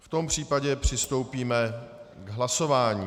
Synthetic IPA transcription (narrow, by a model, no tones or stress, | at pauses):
ft̪o̞mpr̝̥iːpaɟɛpr̝̥ɪst̪o̞wpiːmɛɡɦlaso̞vaːɲiː